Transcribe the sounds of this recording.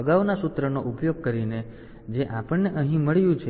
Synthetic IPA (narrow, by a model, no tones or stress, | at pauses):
əɡaʋnasut̪ɾənoʔupjoɡ̚kəɾine | d͡ʒeʔapəɳneʔəɦĩməɭjũt͡ʃʰe